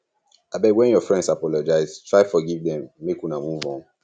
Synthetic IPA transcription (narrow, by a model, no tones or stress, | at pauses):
abɛwɛ̃njɔfɹɛ̃ndsapɔlɔd͡ʒaɪztʰɹaɪfɔɡivdɛ̃mːekũnamuvɔ̃n